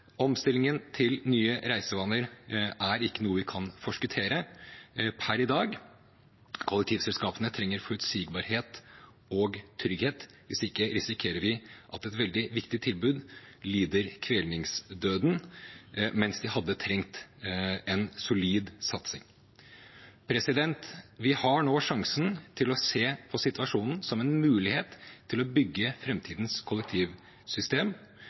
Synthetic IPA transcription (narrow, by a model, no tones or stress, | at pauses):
ɔmst̪ɪlːɪŋənt̪ʰɪlnyːəɾæɪsəʋɑːnəɾæɾɪkːənuːəʋɪkʰɑnfɔʂkʉt̪ʰeːɾə | pʰæɾɪd̪ɑːɡ | kʰʊlːɛk̚t̪ʰiːʋsɛlskɑːpənət̪ʰɾɛŋːəɾfɔɾʉt̪siːɡbɑɾheːt̪ | ɔɡt̪ʰɾʏɡheːt̪ | ʋɪ̰sɪkːəɾɪsɪkʰeːɾəɾʋɪʔɑt̪ɛt̪ʋɛld̪ɪʋɪkt̪ɪt̪ʰɪlbʉːd̪liːd̪əɾkʰʋeːlnɪŋsd̪øːd̪n | mɛnsd̪ɪhɑd̪ːət̪ʰɾɛŋt̪ | ɛnsʊliːd̪sɑt̪sɪ̰ŋ | pʰɾɛsɪd̪ɛnt̪ʋɪhɑɳoːʂɑŋsnt̪ʰɪlɔseːpʰɔsɪt̪ʋɑʂuːnn̩sɔmɛnmʉːlɪheːt̪ʰːɪlɔbʏɡːəfɾɛmt̪ʰiːd̪nskʰʊlɛk̚t̪ʰiːʋ | sʏst̪eːm